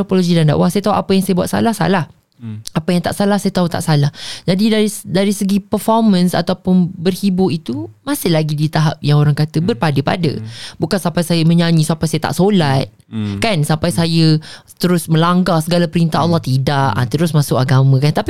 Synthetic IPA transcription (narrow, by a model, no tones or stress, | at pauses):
opoloɡidanda̰ʔwahsajət̪aɦuʔapəjaŋsajəbuat̪̚sa̰lahsa̰lah | apajaŋt̪aʔsalahsajət̪aɦut̪a̰ʔsalahd͡ʒadidaidaɾisəɡipərfɔrmə̃nsa̰t̪awpʊnbərhibʊit̪umãsɪhlaɡidit̪aɦap̚jaŋoɾaŋkat̪əbərpadəpa̰də̰bukansampajsajəmə̃ɲaɲĩsampajsajət̪a̰ʔsolat̪̚ | kansampajsajət̪əɾʊsmə̃laŋɡahsəɡalapəɾint̪aɦɑlːɔht̪idaʔa̰t̪əɾʊsmãsʊkaɡamə̃kant̪api